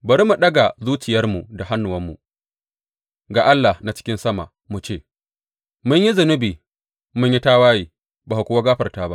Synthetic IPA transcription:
bɐ˨ɾi˦mu˨ɗɐ˦ɡa˨zuː˦t͡ʃɪ˨jɐ˦rmu˨da˨ɦa˦nːʊ˨wɐ˦mːṵ˨ | ɡaː˨ʔa˦lːa˨hna˨t͡ʃɪ̥˦kʲɪ˦nsɐ˦ma̰˨ | mu˨t͡ʃeː˦˨ | mʊ˦ɲji˦zʊ˨nʊ˦biː˨ | mʊ˦ɲji˦taː˦waː˦jiː˨ | baː˨ha˨kʷʊ˦wa˦ɡaː˦ɸɐ˨rtaː˦ba˦ʔ

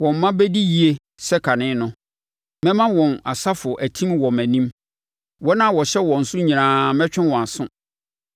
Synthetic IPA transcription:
wɔ̃˨m˨mã˦bɛ˦di˦ji˨e˦ | sɛ˦kʰa˨nɪ̃˦nʊ̃˨ | mɛ̃˦mã˦wɔ̃˨na˨sa˦fʊ˨ʔæ˨tʰĩ˦mwɔ˨mæ̃˨nĩ˦m | wɔ˦nã˦˨wɔ˨ɕɛ˦wɔ̃˨n̩˨sʊ̃˦ɲĩ˨ãː˨mɛ̃˦t͡ɕᶣɪ̃˦nwɔ̃˨a˨sʊ̃˦

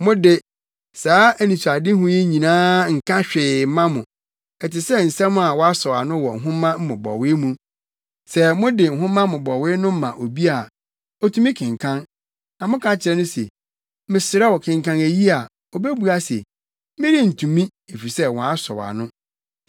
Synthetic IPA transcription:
mʊ̃˦dɪ˦ | saː˨˦æ˦nĩ˨sʰa˨dɪ̃˦ɦʊ̃˦jɛ˦ɲĩ˨nãː˦ŋ̩˨kʰã˦ɕᶣɪ˨˦mã˦mʊ̃˨ | ɛ˨tɪ˨sɛ˦n̩˨sɛ̃˦mʊ̃˦a˨wɔ˦a˦sɔ˨a̰˨nʊ̃˦wɔ˨ŋ̩˨ɦʊ̃˦mã˦m̩˦mʊ̃˨bɔ̰˨wɪ˦mũ˦ | sɛ˨mʊ̃˦dɪ˨ŋ̩˨ɦʊ̃˦mã˦mʊ̃˨bɔ˨wɪ˦nʊ̃˦m̩˦mã˨ʔo˨bi˦a˦˨ | ɔ˦tʰũ˦mĩ˦kʰɪ̃˨ŋkʰã˦n | nã˨mʊ̃˦kʰã˦t͡ɕʰɪ˨ɾɛ˦nʊ̃˦sɛ̰˨ | mɪ̃˨sɪ˨ɾa˦wɔ˨kʰɪ̃˨ŋkã˦næ˨ji˦a˨ | ɔ˨be˦bu˨a˦sɛ̰˨˦ | mɪ̃˦ɾi˦n̩˨tʰũ˨mĩ˦ | e˨fi˨sɛ˦wɔ̃˨a˦sɔ̰˨wa̰˨nʊ̃˦

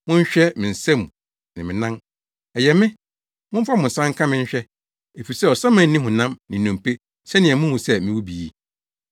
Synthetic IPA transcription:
mʊ̃˦ɲ̩˦ɕᶣɛ˦mɪ̃˨n̩˨sɛ̃˦mũ˨ | nɪ̃˨mɪ̃˨nã˦n | ɛ˨jɛ˨mɪ̃˦ | mʊ̃˦m̩˦fa˦mʊ̃˨n̩˨sã˦ŋ̩˦kʰã˦mɪ̃˦ɲ̩˦ɕᶣɛ˦ | e˨fi˨sɛ˦˨ɔ˨sã˦mã˨nː˦ĩ˦ɦʊ̃˨nã˦mnɪ̃˨nũ˨m˨pʰe˦ | sɛ˦nɪ̃˨ɛ˨mʊ̃˦hũ˨sɛ˦mɪ̃˦wu˦bi˨i˨

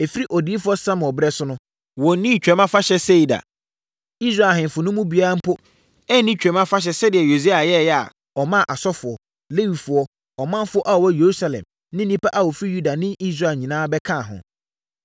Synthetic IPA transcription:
e˨fi˦ɾi˦ʔɔ˨diː˦fʊ˦ɔ˦sã˦m˨ɔ˨bɾɛ˦sʊ˦nʊ̃˦ | wɔ˨˦nĩ˦˨t͡ɕᶣɛ˨˦mã˦fa˦ɕɛ˦se˦i˨da̰˨ | i˦s̬ɾa˦˨ɦɪ̃˨m˨fʊ˨nʊ̃˦mũ˦bi˨a˦ɾa˦m̩˦pʰʊ˦ | ɛ˦nĩ˦t͡ɕᶣɛ̃˨˦mã˦fa˦ɕ̬ɛ˦sɛ˦dɪ˨ɛ˨jo˨si˦a˨jɛ˦˨jɛ˦a̰˨ | ɔ˨mã˦˨ʔa˨sɔ˦fʊ˨ɔ˨ | le˦wi˨fʊ˨ɔ˦ | ɔ˨mã˦n˦fʊ˦ɔ˦ʔa˦ɔ˨wɔ˦je˨ɾu˦sa˨lɛ̰̃˨m | nɪ̃˦ĩ˦pa˦ʔa˦wɔ˨fi˦ju˦da˨nɪ̃˦ʔi˦s̬ɾa˦˨lɲĩ˨nãː˦bɛ˦kʰã˦˨ɦʊ̰̃˨

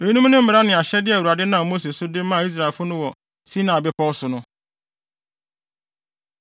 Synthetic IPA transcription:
e˨˦nũ˦m˦nʊ̃˦m̩˦mɪ˨ɾa˦nɪ̃˨a˨ɕɛ˦dɪ˦æ˨u˨a˨dɪ˦nã˨mo˦s̬e˨sʊ˦dɪ˦m˦mã˦˨i˦s̬ɾa˨e˨fʊ˦nʊ̃˦wɔ˨ | si˦nã˨bɪ˦pʰɔ˦sʊ˨nʊ̃˦

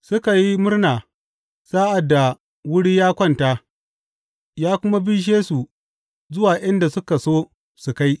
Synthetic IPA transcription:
sʊ˦ka˨ji˦mʊ˦rnaː˨ | saː˦ʔa˨dːa˨ | wʊ˦ɽiː˦jaː˦kʷɐ˦˨nta˦ | jaː˦kʷʊ˦ma˦bi˦ʃeː˦su˨ | zʊ˦waː˨ʔɐ˦nda˨sʊ˦ka˨soː˦ | su˨ka˦j

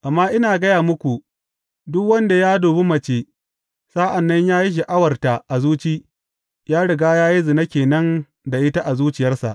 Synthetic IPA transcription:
ʔa˨mːaː˦ʔɪ˦naː˨ɡɐ˦jaː˨mʊ˦kʷu˨ | dʊ˦kwɐ˦nda˨jaː˦doː˨be˦mɐ˨t͡ʃeː˦ | saː˦ʔa˨nːɐ˦ɲjaː˦ji˦ʃ̬i˨ʔa˦wɐ˨rta˨ʔa˨zuː˦t͡ʃiː˦ | jaː˦ɽɪ˨ɡaː˦jaː˦ji˦zɪ˨nɐ˦kʲeː˨nɐ˦n | da˨ʔɪ˦ta˦ʔa˨zuː˦t͡ʃɪ˨jɐ˦rsa̰˨ʔ

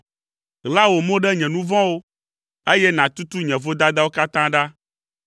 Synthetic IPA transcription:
ɣla˦wo˨mõ˦ɖɛ˦ɲɛ̃˨nũ˦vɔ̃˦wo˦ | e˦jɛ˦nã˨t̪u˦t̪u˦ɲɛ̃˨vo˦d̪a˦d̪a˦wo˦ka˦t̪ã˦ɖa˦

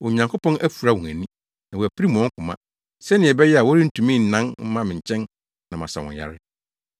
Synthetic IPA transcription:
wɔ˨ɲã˨ŋkʰo˦pɔ̃˦næ˦fu˨ɾa˦wɔ̃˨æ̰˨nĩ˦ | nã˨wɔ˨æ˨pi˦ɾi˦mũ˨ɔ̃˦ŋ̩˦kʰʊ̃˨mã̰˦ | sɛ˦nɪ̃˨ɛ˨bɛ˦jɛ˦a˨wɔ˦ɾi˦n̩˦˨tʰũ˨mĩ˦n̩˨nã˦nm̩˦mã˦mɪ̃˨ɲ˨t͡ɕʰɛ̃˦n | nã˨mã̰˨sa̰˨wɔ̰̃˨ja̰˨ɾɪ˦

